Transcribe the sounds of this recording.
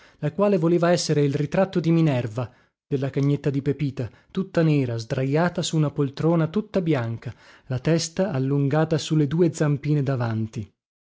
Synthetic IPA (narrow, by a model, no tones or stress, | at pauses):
lakwaːlevoleːvaɛsːeɾeilrit̪ɾat̪ːod̪iminɛrva | d̪̥elːakaɲːet̪ːad̪ipepiːt̪a | t̪ut̪ːanɛːɾazd̪ɾajaːt̪asuːnapolt̪ɾoːnat̪ut̪ːabjaŋkalat̪ɛst̪aːlːuŋɡaːt̪asulːed̪uːed̪zampiːned̪avant̪i